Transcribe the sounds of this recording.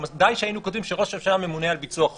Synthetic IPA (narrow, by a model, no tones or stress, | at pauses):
mad̪ajʃeainukod̪imʃeʁo̞ʃefʃame̞munealbit͡suaχ